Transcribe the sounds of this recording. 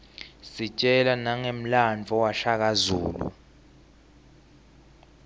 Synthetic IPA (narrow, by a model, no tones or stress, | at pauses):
sit͡ʃʼɛlanaŋem̩land͡vʱɔwaɬak̬azṵːlṵ